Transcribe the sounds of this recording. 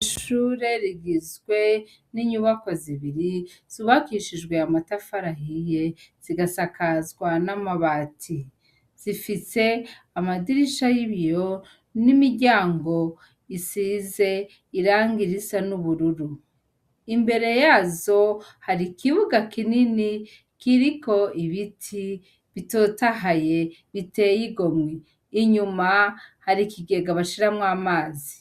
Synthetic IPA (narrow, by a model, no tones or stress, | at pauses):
ʃuːɾe̞ɾiɡizɡwe̞ | niɲuβako̞ziβiɾiz̥uβakiːʃid͡ʒɡwe̞amatafaɾaɦije̞z̥iɡasakazɡwanamaβatʰi | z̥ifise̞ | amadiɾiʃajiβjo̞ | nimiɾɟaːŋɡo̞ | isize̞ | iɾaːŋɡiɾisanuβuɾuɾu | imbe̞ɾe̞jaːzo̞haɾikʰiβuɡakinini | kiɾiko̞iβitʰi | βitoːtaɦaje̞ | βitejiɡo̞mŋwiː | ɲumahaɾikiɡe̞ɡaβaʃiɾamŋaːmaːzi